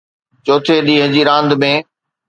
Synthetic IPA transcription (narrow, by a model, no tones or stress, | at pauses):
t͡ɕoːt̪ʰeɗiːɦəd͡ʑiːɾãːnd̪mẽː